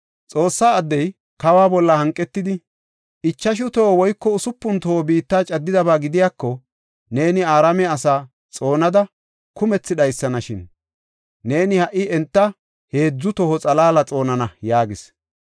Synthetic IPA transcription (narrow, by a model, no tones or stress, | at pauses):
t͡sʼo̞ːsːaːd̪ːɛj | kɐwaːbɔlːɐhɐŋkʼːɛt̪ːɪd̪ɪ | ʔɪt͡ʃːɐʃ̬ʊt̪o̞ːwɔjkːɔʊsʊpːʊnt̪oːbiːt̪ːaːt͡ʃʼɐd̪ːɪd̪ɐbaːɡɪd̪ɪjaːkːɔ | ne̞ːnɪaːɾɐmɛɐsaː | t͡sʼo̞ːnɐd̪ɐ | kʊmɛt͡sːɪd̪ɐjsːɐnɐʃɪnː | e̞ːnɪhɐʔɪɛnt̪ːɐ | he̞ːd͡zːʊt̪ɔhɔt͡sʼɐlaːlɐt͡sʼo̞ːnɐnɐjaːɡɪs